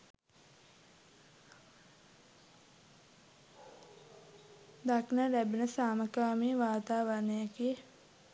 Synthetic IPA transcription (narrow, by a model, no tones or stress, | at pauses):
d̪aknəɾæbenəsaːməkaːmiːʋaːt̪aːʋaɾnejakie